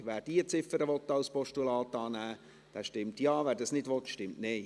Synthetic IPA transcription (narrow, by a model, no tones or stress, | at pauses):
ʋæːɾd̥iːət͡sɪfəɾəʋɔt̪ːɑwspɔʃtulɑːt̪ɑːnæː | d̥æːʃtɪmtjɑːvæːɾdɑsnɪdʋɔtʃtɪmtnɪ